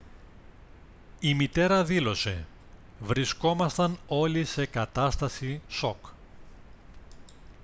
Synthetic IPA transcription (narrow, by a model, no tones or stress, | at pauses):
imit̪e̞ɾɐðilo̞se̞̰ | vɾisko̞mɐst̪ɐno̞lise̞kɐt̪ɐst̪ɐsiso̞k